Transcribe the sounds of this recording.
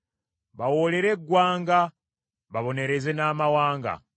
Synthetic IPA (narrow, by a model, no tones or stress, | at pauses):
βawole̞ɾe̞ɡːwaːŋɡa | βaβo̞ne̞ɾe̞ze̞naːmawaːŋɡa̰